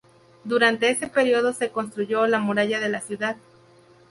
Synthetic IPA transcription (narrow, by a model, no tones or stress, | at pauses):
d̪uɾant̪e̞ese̞pe̞ɾio̞ð̞o̞se̞ko̞ns̬t̪ɾuʝo̞lamuɾaʝaðe̞lasjuðað